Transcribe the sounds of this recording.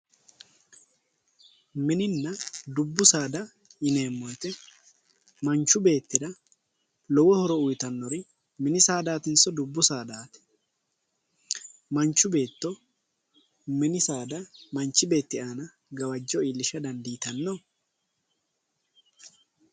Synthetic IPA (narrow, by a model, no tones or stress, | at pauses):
mɪnɪnːɐd̪ʊbːʊsaːd̪ɐ | ɪne̞ːmːɔjt̪ɛ | mɐnt͡ʃːʊbe̞ːt̪ːɪd̪ɐ | lɔwɔhɔɾɔʊjt̪ɐnːɔɾɪ | mɪnɪsaːd̪aːt̪ɪnsɔd̪ʊbːʊsaːd̪aːt̪ɛ̥ | mɐnt͡ʃːʊbe̞ːt̪ːɔ | mɪnɪsaːd̪ɐmɐnt͡ʃːɪbe̞ːt̪ːɪaːnɐ | ɡɐwɐd͡ʒːɔiːlːɪʃɐd̪ɐnd̪iːt̪ɐnːɔ